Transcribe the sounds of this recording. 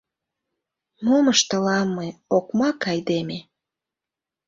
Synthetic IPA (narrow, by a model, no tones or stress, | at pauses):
moməʃt̪əlɑmːɤjokmɑkɑjd̪eme